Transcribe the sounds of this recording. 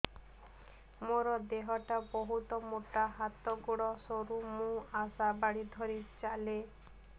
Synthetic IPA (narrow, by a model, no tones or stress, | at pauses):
moɾɔd̪eɦɔʈabɔɦut̪ɔmoʈaɦat̪ɔɡoɽɔsoɾumũasabaɽid̪ʱɔɾit͡ʃale